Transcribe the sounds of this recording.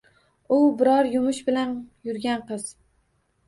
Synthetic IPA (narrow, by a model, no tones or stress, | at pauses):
ʊbɪɾɒɾjʊmʊʃbɪlanjʊɾɡʲanqɨz̥